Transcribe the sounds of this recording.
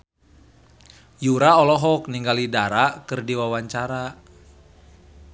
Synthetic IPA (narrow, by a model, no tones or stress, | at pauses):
juɾaɔlɔɦɔkniŋɡalidaɾakɨrdiwawaɲt͡ʃaɾa